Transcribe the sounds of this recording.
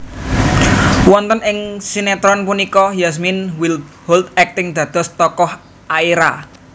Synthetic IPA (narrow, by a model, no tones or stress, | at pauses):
wɔnt̪ənɪŋsinɛt̪ɾɔnpunikɔjas̬minwilhold̪̚ɛk̚t̪ɪŋd̪̥ä̤d̪̥ɔ̤st̪ɔkɔh | aiɾa